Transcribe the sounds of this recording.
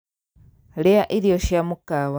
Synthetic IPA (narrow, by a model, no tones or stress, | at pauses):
lejaʔiɾijoʃjamukawa